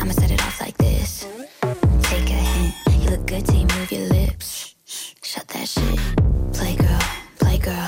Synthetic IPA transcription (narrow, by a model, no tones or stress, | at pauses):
ãməsɛɾɨ̰ɾɔ̰lˠzla̰ɪk̚ðɪ̰s | sɪkɨɨhɪ̃nɨ̃njɨlʊk̚ɡ̥ʊd̚tʰɨjɨmuvijə̰˞lɪps | ʃʌt̪̚ðɨ̰ʃɪ̰t̚pʰl̥eɪɡɜ˞lˠpʰl̥eɪɡɜ˞lˠ